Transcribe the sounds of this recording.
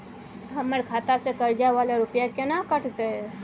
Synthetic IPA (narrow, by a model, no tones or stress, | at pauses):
ɦəməɾkʰat̪asẽkəɾd͡ʒaʋaleɾupjakenakəʈt̪e